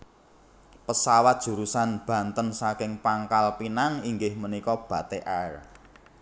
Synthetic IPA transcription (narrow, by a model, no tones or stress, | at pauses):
pəsawat̪̚d̥ʒ̥ṳɾusanb̥ä̤nt̪ənsakɪŋpaŋkalpinaŋiŋɡɪhmənikɔb̥ä̤t̪eʔɛr